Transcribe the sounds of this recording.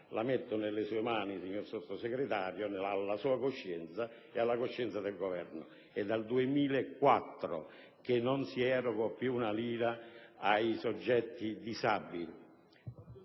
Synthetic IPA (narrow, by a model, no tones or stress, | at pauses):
lamɛt̪ːʊnelːesuːemaːnisiɲːorsot̪ːʊsɛɡɾet̪aːɾjonalːasuːakoʃːɛnt̪sa | ɛalːakoʃːɛnt̪sad̪ɛlɡovɛrnʊ̰ | ɛd̪ːald̪uemiːleɛkːwat̪ːɾʊ̰ | k̟enːɔnsiɛɾokɔpːjuːnaliːɾaajsɔd͡ʒːɛt̪ːid̪isabi